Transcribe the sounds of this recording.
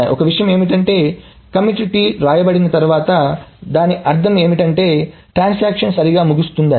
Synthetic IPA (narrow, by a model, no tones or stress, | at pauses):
jḭʔɔkɐʋiʂɐjɐme̞ːmiʈɐɳʈe̞ː | kɐmuʈiʈiɾaːjɐbɐɽinɐt̪ɐɾuʋaːt̪ɐd̪aːniʔɐɾt̪ʰɐme̞ːmiʈɐɳʈe̞ː | ʈɾaːnsaːkʂɐnsɐɾiɡaːmuɡust̪und̪a